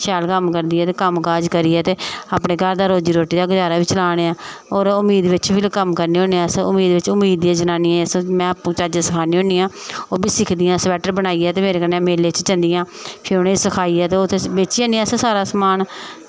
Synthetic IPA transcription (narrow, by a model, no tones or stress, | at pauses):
ʃɛːlkəmkəɾd̪iːɛːt̪eːkəmkaːd͡ʒkəɾiːɛːt̪eːaːpɳeːɡʱəɾd̪aːɾoːd͡ʒiːɾoːʈiːd̪aːɡəd͡ʒaːɾaːʋiːt͡ʃəlaːɽ̃eːãːoːɾʊmiːd̪ʋɪt͡ʃbiːlkəmkəɾniːõːnːãːsʊmiːd̪ʋɪt͡ʃʊmːiːd̪iãːd͡ʒənaːniːãsmɛ̃ːpũːt͡ʃaːd͡ʒãsəkʰaːnĩːɦõːniːãːoːbiːsɪkʰd̪ɪjãːsʋɛːʈəɾbənaːiːɛːt̪eːmeːɾeːkənːeːmeːleːt͡ʃt͡ʃənd̪ijãːpʰɪɾʊnẽsəkʰaːiːɛːt̪eːʊt̪ʰːebeːt͡ʃiãːniːɛːssaːɾaːsəmaːn